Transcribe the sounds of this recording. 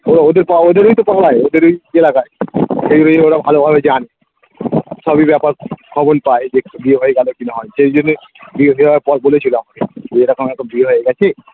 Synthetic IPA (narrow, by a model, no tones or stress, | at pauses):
oɾod̪eɾpaod̪eɾojt̪opalaeod̪eɾojelakaeʃed͡ʒonoonːeoɾabʱalobʱabed͡ʑane | ʃɔbibɛpaɾkʰɔbonpaed͡ʑebieɦoeɡalokinaɦɔeʃed͡ʑonːo | biɦojaepɔbolet͡ɕʰiloamad̪eeɾɔkomɛombieɦoeɡɛt͡ɕʰe